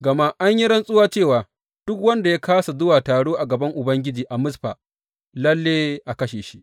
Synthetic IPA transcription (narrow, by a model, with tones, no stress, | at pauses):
ɡɐ˨ma˦ʔa˦ɲji˦ɽɐ˦nsʼʊ˦waː˦t͡ʃeː˦˨waː˨ | d̥ʊ˦kwɐ˦nda˨ja˦kaː˦sa˨zʊ˦waː˨taː˨ɽoː˦ʔa˨ɡɐ˨bɐ˦ŋʔʊ˨bɐ˦ŋɡʲɪ˦d͡ʒiː˨ʔa˨mʊ˦sɸaː˨ | lɐ˦lːeː˦ʔa˨kɐ˦ʃeː˨ʃi˦ʔ